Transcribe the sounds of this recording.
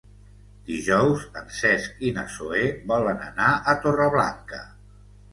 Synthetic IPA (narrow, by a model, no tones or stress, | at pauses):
d̪̥iʒɔwsə̰nsɛskinə̰soeβɔlənə̰naʔət̪orəβla̰ŋkə